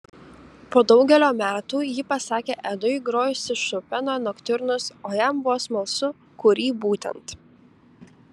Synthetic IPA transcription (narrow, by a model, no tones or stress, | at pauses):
poːd̪ɒʊɡʲɛlʲoːmʲæːt̪uːjiːpɐsɑːkʲeːʔɛd̪ʊɪɡɾoːjʊsʲɪʃʊpʲɛnoːnɔkt̪ʲʊɾnʊsoːjæmbʊʋoːsmɐlˠsʊ | kʊɾʲiːbuːt̪ʲɛ̰nt̪